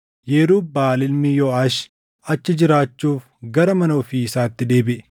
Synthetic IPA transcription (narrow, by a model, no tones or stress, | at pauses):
jɛːɾuːbaːlɪlmijoɐʃ | ɐt͡ʃːɪd͡ʒɪɾaːt͡ʃːuːf | ɡɐɾɐmɐnoːfiɪsaːt̪ːɪd̪e̞ːbɪʔ